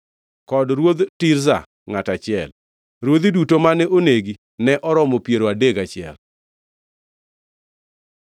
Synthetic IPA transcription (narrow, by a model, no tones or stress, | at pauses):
kɔdɾwod̪tiɾza̰ | ŋatat͡ʃɪɛl | ɾwod̪idutomanɛʔoneɡi | nɛʔɔɾɔmɔpjeɾoadeɡat͡ʃɪɛ̰l